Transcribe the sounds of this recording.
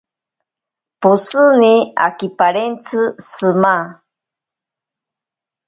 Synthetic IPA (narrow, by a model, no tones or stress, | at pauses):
pusɨnia̰kipaɾent͡sʰɨsɨma